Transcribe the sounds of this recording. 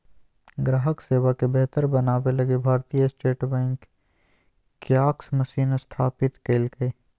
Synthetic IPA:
ɡɾaːɦəkseːʋakebɛɦt̪əɾbɐnaːbelɐɡebʱaːɾt̪ijəsʈeːʈbɛ̃ːŋk | jaːksmɐsiːnst̪ʰaːpɪt̪keːlkəe

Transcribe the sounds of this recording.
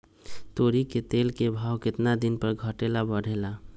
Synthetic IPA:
t̪oɾiket̪elkebʱawkɪt̪nad̪inpəɾɡʱəʈelabəɽ̤ʱela

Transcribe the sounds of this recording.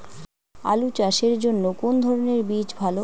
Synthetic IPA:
a̰lut͡ɕaʃeɾd͡ʑonːokond̪ʱɔɾoneɾbid͡ʑbʱalo

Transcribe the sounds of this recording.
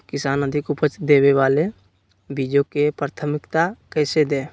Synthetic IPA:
kɪsaːnəd̪ʱɪkʊpət͡ʃd̪eːweʋaːle | biːd͡ʒokepɾat̪ʰəmɪkt̪akɛːsed̪ẽː

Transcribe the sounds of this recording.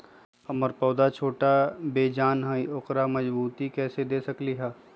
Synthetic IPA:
ɐməɾpɔːd̪at͡ʃʰoːʈabeːd͡ʒaːnɦaːiʔʊqɾamɐd͡ʒbuːt̪ikɛːsed̪eːsɐkliɦaː

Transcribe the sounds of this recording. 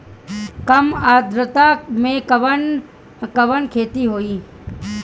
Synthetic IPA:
kəmaːd̪ɾət̪amẽkʋən | kəʋənkʰeːt̪iɦoːiː

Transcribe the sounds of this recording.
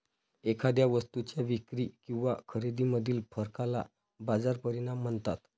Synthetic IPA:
ekʰad̪jaʋəst̪ut͡ɕjaʋikɾikĩw̃ʋakʰəɾed̪iməd̪ʱiːlpəɾkala̰ | bad͡zaɾpəɾinamːəɳt̪at̪

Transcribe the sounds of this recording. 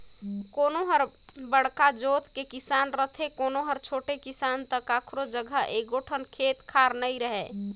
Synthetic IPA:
konoɦəɾ | bəɽkad͡ʒot̪kekisanɾət̪ʰekonoɦəɾt͡ʃʰoʈekisant̪əkakʰɾod͡ʒəɡʱəeɡoʈʰənkʰet̪kʰaɾnəiɾəɦe

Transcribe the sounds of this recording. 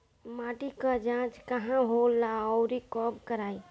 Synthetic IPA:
maːʈikad͡ʒãːt͡ʃkəɦãɦolaɔɾikɔːbkəɾaːi

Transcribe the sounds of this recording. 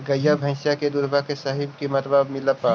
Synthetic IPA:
ɡɐjabʱɐ̃ɪ̃ʃjaked̪ʊɾbakesɐɦɪbkimɐt̪babmɪləpaː

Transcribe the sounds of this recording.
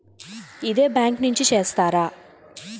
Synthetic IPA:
id̪e̞ːbjaːŋknuɲt͡ʃit͡ʃe̞ːst̪aːɾaː

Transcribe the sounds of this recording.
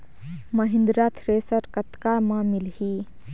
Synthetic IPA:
məɦɪ̃nd̪ɾat̪ʰɾeːsəɾkət̪kamãmilɦi

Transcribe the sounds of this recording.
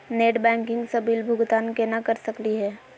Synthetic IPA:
neːʈbɛ̃ːŋkɪ̃ŋɡsɐbiːlbʱʊɡt̪aːnkenakəɾsɐkliɦɛː

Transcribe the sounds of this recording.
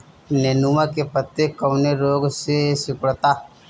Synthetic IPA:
neːnumakepət̪ːekːəwneɾoːɡsesɪkəɽt̪aː

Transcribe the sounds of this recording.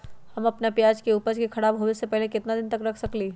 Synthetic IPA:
hɐmɐpnapjaːd͡ʒkeuːpəɾkikʰɐɽaːbɦoːesepɛɦlekɪt̪nad̪ɪnt̪ɐkɾɐkʰsɐkliː

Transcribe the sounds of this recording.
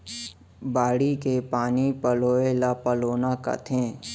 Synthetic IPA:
baːɽikepaːnipəloːelapəloːnaka̰t̪ʰẽː

